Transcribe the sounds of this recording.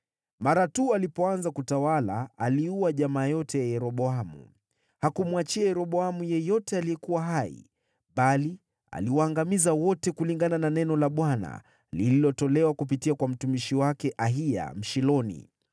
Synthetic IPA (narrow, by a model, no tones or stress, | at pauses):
maɾatualipɔanzakutawala̰ːliuaʄamaːjɔtɛjajɛɾɔɓɔamṵ | hakumwat͡ʃiajɛɾɔɓɔamujɛjɔtɛalijɛkuwaɦaḭ | ɓali | a̰liwaːŋɡamizawɔtɛkuliŋɡanananɛnɔlaɓwana̰ | lililɔtɔlɛwakup̬itiakwam̩tumiʃiwakɛʔaɦia̰m̩ʃilɔnḭ